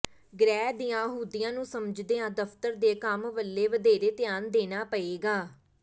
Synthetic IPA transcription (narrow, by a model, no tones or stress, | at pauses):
ɡɾɛːd̪ɪjãːɦuːd̪ɪjãːnũːsəməd͡ʒd̪eːãːd̪əfʰt̪əɾd̪eːkəmʋəlːeːʋəd̪eːɾeːt̪ɪjaːnd̪eːnaːpəeːɡaː